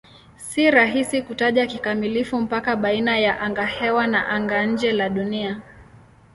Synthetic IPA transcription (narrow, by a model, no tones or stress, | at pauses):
siɾaɦisikutaʄakikamilifum̩pakaɓainajaʔaŋɡahɛwana̰ʔaŋɡaɲ̩d͡ʒɛlaɗunia